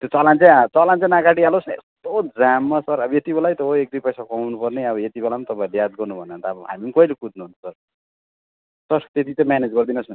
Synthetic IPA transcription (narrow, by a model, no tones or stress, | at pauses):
t̪jot͡sʌlãnt͡sãt͡sʌlant͡sãnakaɽialosḛst̪od͡zamːʌsʌɾʌbʌjet̪ibelajt̪ʌɦoek̚d̪ujpʌjsakwnupʌrneʌbʌjet̪ibelamat̪ʌpãĩlejad̪̚ɡʌrnubʱʌneʌnt̪aːbʌɦa̰mimkʌilekud̪nʌɦunsʌr | sʌɾt̪et̪it͡sʌ̃mjaned͡zɡʌrd̪inʌsʌ